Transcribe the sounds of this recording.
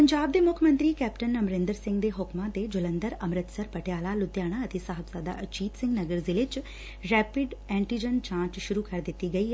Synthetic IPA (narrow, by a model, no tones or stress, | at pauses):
pɐɲd͡ʒaːb̚d̪emʊkʰjəmə̃nt̪ɾiːkɛːpʈənːɐmɾẽːnd̪əɾsɪ̃ŋɡd̪eɦʊkmãt̪ed͡ʒʊlə̃nd̪əɾɐmɾɪt̪səɾpəʈjaːlalʊd̪jaːɽ̃aɐt̪esaɦəbsaːd̪a̰ʔɐt͡ʃiːt̪sɪ̃ŋɡnɐɡəɾzɪlet͡ʃ | ɾɛːpɪɖɛ̃ːɳʈiːd͡ʒənt͡ʃãːt͡ʃʃʊɾukɐɾd̪ɪt̪iɡɐiɦɛ